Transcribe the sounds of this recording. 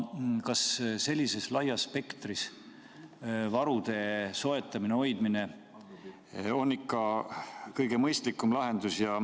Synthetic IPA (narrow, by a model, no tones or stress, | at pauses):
kɑsse̞lʲːise̞slɑjɑspe̞kt̪ris | vɑɾud̪̥e̞so̞e̞t̪ːˑɑmineo̞jd̪̥mine̞ | o̞nːikːɑ | kɤjɡ̥e̞mɤjst̪likːˑumlɑɦe̞nd̪̥usjɑ